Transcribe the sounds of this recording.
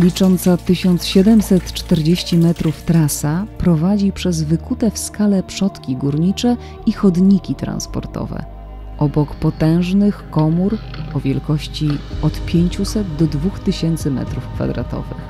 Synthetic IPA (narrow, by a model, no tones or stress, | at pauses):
lʲit͡ʂɔnt̪sat̪ɘɕɔnt̪sɕɛd̪ɛmsɛt̪t͡ʂt̪ɛɾd͡ʑeɕt͡ɕimɛt̪ɾuft̪ɾasapɾɔvad͡ʑipʂɛzvɘkut̪ɛfskalɛpʂɔt̪kʲiɡuɾɲit͡ʂɛ | ixɔd̪ɲikʲit̪ɾã̰nspɔ̰ɾt̪ɔ̰vɛ̰ | ʔɔbɔkpɔt̪ɛ̃w̃ʐnɘxkɔmuɾ | ɔvʲjɛlkɔɕt͡ɕiɔt̪pʲjeɲt͡ɕusɛd̪d̪ɔd̪vuxt̪ɘɕɛnt̪sɘmɛ̰t̪ɾufkfa̰d̪ɾa̰t̪ɔ̰vɘ̰x